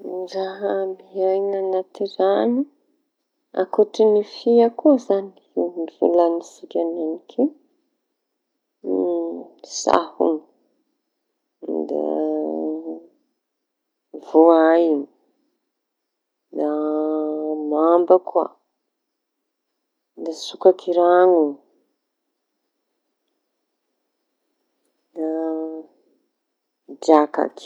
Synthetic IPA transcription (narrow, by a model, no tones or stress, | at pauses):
raɦamiajnanat̪irani | a̰kuʈ͡ʂinifiakuazani | inivṵlanisikʲananikʰe | sa̰hṵn | d̪a̰ | voajiŋ | d̪a | mambakwa̰ | nd̪asukakʰiɾaŋu | da | d͡ʒaka̰k